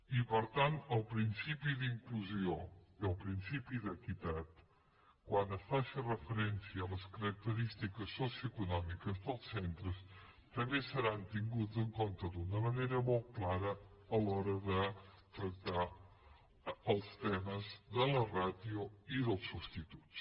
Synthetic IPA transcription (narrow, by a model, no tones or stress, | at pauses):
ipəɾt̪ant̪əlˠpɾinsipiðiŋkluzioiəlˠpɾinsipiðəkit̪at̪ | kwanəsfaʃərəfəɾɛnsiəːləskəɾək̚t̪əɾist̪ikəsːosjuəkunɔmikəzðəlˠsɛnt̪ɾəs | t̪əmbesəɾant̪iŋɡud͡zəŋkont̪əd̪unəməneɾəmɔlˠt̪̚klaɾəːlɔɾəðət̪ɾək̚t̪a | əlˠst̪ɛməzðələraðiuiðəlˠsːubst̪it̪u̥ts